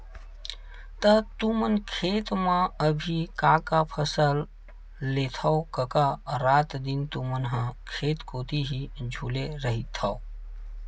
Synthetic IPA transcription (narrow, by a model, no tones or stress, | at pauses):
t̪ət̪umənkʰeːt̪mãəbʱikaːkapʰəsəlː | eːt̪ʰaokəkaɾaːt̪d̪int̪umənɦə̃kʰeːt̪koːt̪iɦid͡ʒʱuleɾəɦit̪ʰːao